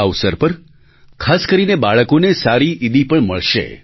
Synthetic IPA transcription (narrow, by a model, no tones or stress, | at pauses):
əʋsəɾpəɾ | kʰaskəɾinebaɭəkonesaɾiʔid̪ipəɳməɭʃḛ